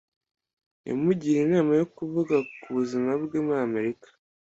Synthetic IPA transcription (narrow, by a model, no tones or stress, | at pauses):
ja̰muɟiɾenaːmajo̞kuvuɡakuβuzimabɡemame̞ɾikḁ